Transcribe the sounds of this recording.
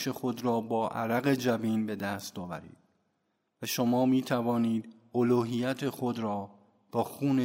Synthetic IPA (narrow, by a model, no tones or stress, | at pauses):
ʃe̞xo̞d̪ɾɒːbɒːʔæ̰ɾæɣe̞d͡ʒæviːnbe̞d̪æst̪ɒːvæ̰ɾḭːd̪̥̚ | væʃomɒːmiːt̪ʰævɒːniːd̪ | oluːɦijæt̪ʰe̞xod̪ɾɒː | b̥ɒːxuːne